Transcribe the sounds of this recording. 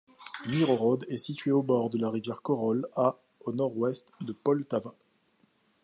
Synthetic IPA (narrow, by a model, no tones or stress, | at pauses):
miʁoʁɔd̪ɛsit̪ɥeobɔʁd̪əlaʁivjɛʁkɔʁɔla | onɔʁwɛst̪d̪əpɔlt̪avã